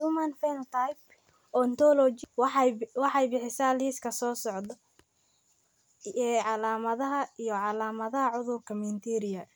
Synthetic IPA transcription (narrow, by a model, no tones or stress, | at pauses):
rumɐnfɛnɐt̪ʰajp̚ | ɔːnt̪ʰɔːlɔt͡ʃ | wɑħɑjbɪħɪsaliːskʰɐsɔːsɔʕd̪ɔ | ɛʕɑlaːmɐðɐɦɐijɔʕɑlaːmɐðɐɦɐʕʊðʊrkʰɐmɪnt̪ʰɛɾɪjɐ